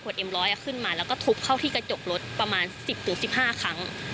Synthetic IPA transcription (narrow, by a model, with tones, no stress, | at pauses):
u˨˩ət̪̚ʔe˧mɾɔː˦˥jʔa˧˩kʰɯ˥˩nmaː˧lɛː˦˥wkɔː˥˩t̪ʰu˦˥p̚kʰa˥˩wt̪ʰiː˥˩ka˧t͡ɕo˨˩k̚lo˦˥t̪̚pɾa˧maː˧nsi˨˩p̚t̪ʰɯ˩˦ŋsi˨˩p̚haː˥˩kʰa˦˥ŋ